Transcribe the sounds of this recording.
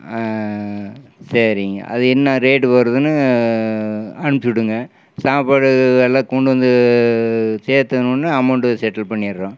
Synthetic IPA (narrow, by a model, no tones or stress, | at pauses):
sɐɾɪŋɡɐ̰ʔɐ̰ðɯɛnːãɾeːʈɯʋɐɾɐðɯnːɯ | ɐnɯmt͡ʃɽɯŋɡɐ | saːpaɽɯɐlːãːkɔɳɖɯʋɐnd̪ɯ | seːɾt̪ɐnũnːɯɐmɐʊɳʈɯsɛʈːɐlpɐɳːɪɐɾɾãː